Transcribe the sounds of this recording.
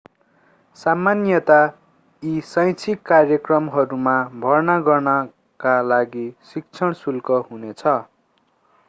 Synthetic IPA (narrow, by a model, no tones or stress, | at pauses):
samanjʌt̪a | isʌj̃t͡sʰikːarjʌkrʌmɦʌɾumabʱʌrnaɡʌrnʌ | kalaɡisik̚t͡sʰʌɽ̃sulkʌɦunet͡sʰʌ